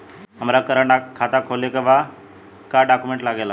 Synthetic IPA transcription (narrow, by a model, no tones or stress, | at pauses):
ɦamɾakəɾəɳakʰːat̪akʰolekəʋa | kaɖakumeɳʈlaɡela